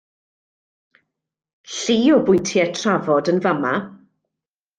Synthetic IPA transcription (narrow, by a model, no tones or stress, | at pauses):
ɬiːɔbʊjntʰjɛtʰravɔdənvama